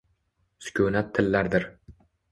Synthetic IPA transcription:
skʲʰɵnat̪ʰːɪlːaɾd̪ɪɾ

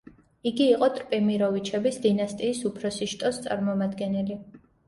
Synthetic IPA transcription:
iɡiːqʼɔt̪ʼɾpʼɛmiɾɔvit͡ʃʰɛbisd̪inast̪ʼiːsupʰɾɔsiʃt̪ʼɔst̪sʼa̰ɾmɔmad̪ɡɛnɛli

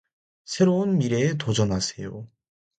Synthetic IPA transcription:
sʰe̞ɾounmiɾe̞tod͡ʑʌnasʰe̞jo̰

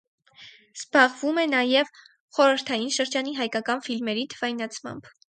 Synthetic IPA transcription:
z̥bɑʁvumɛnɑjɛv | χɔɾəɾt̪ʰɑjinʃəɾd͡ʒɑniɦɑjkɑkɑnfilmɛɾit̪ʰə̥v̥ɑjnɑt͡sʰmɑ̰mb̥

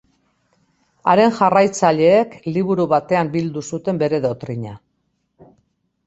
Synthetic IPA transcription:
aɾe̞nʝarajt͡saʎe̞ːkliβuɾuβat̪e̞ambild̪usut̪e̞mbe̞ɾe̞ðo̞t̪ɾiɲa̰

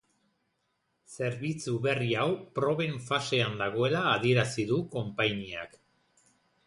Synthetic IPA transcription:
se̞ɾβit͡suβe̞riawpɾo̞βe̞ɱfase̞and̪aɣ̞o̞e̞laːð̞ie̞ɾasiðuko̞mpajnia̰k

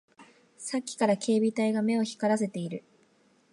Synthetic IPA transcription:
sakʲːi̥kaɾakʰe̞ːbʲit̪aiɡame̞o̞çi̥kaɾase̞t̪e̞iɾɯ̟

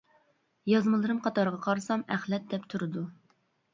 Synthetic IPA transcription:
jɑzmɨlˠɨɾɨmqʰɑt̪ɑɾəʁɑqʰɑɾɨsɑmæχlɛt̪̚d̪ɛpt̪ʰuɾɨd̪u

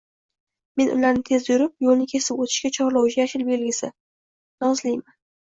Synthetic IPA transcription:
me̞nʔʊ̰laɾnɪt̪ʰe̞zjʊɾɪp̚jolnɪkʲʰe̞sɪpot̪ʰɪ̥ʃkʲat͡ʃʰɒɾlˠawɪʃjaʃɪɾbe̞lɡʲɪsɪ | nɒzlɪjman

